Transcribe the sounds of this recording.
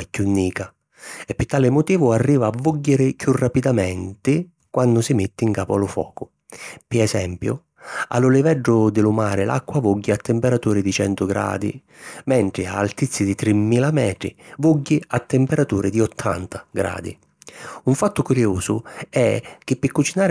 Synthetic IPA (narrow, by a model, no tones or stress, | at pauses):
ɛkːjunːiːka | ɛpːɪt̪ːaːlɪmʊt̪iːvʊarːiːvaːvːuɟːɪɾɪkjurːapid̪amɛnt̪ɪ | kwand̪ʊsɪmɪt̪ːɪiŋkaːpʊalʊfɔ̰ːkʊ | pɪɛsɛmpjʊ̰ | a̰lːʊlɪvɛɖːʊd̪ɪlʊmaːɾɪlʔa̰kːwavuɟːiat̪ːɪmpɛɾat̪uːɾɪd̪it͡ʃɛnt̪ʊɡɾa̰ːd̪i | mɛɳʈ̪ɾɪa̰ːlt̪it̪sːid̪it̪ɾɪmːiːlamɛːt̪ɾɪ̰vuɟːɪat̪ːɪmpɛɾat̪uːɾɪd̪iɔt̪ʰːa̰nt̪ḁɡɾa̰ːd̪ḭ | uɱfat̪ːʊkuɾjuːzʊ̰ɛk̟ɪpːɪkːut͡ʃinaːɾ